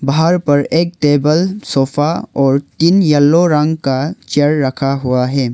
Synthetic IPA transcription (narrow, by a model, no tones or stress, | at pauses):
baɦaɾpɐɾek̚ʈebəlsɔpʰaɔɾtinjɐlːoɾaŋkat͡ʃeɾːɐkʰaɦuwaɦe